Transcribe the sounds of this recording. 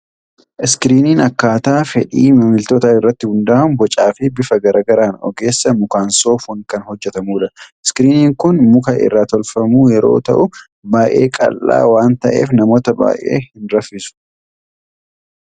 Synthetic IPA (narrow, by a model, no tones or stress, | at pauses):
ʔɪskɪɾiːniːnɐkːaːt̪aːfɛᶑiːmɐmɪlt̪ɔt̪aːɪrːɐt̪ːɪhʊnd̪aːʊnbɔt͡ʃʼaːfɪbɪfɐɡɐɾaːɡɐɾaːnɔ̰ɡe̞ːsːɐmʊkaːnso̞ːfwɐŋkɐnhɔd͡ʒːɛt̪ɐmuːᶑɐɪskɪɾiːniːŋkʊnmʊkɐʔɪ̰rːaːt̪ɔlfɐmuːjɛɾo̞̰ːt̪ɐ̰ʔʊ | baːjʔe̞̰ːkʼɐ̰lːa̰ːwaːnt̪ɐʔe̞̰ːfnɐmoːt̪ɐba̰ːʔʔe̞̰ːhɪnɾɐfːɪsʊ̥